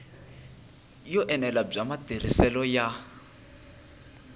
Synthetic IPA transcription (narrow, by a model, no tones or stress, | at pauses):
jɔʔɛnɛlab͡ʐamat̪eɾ̤isɛlɔja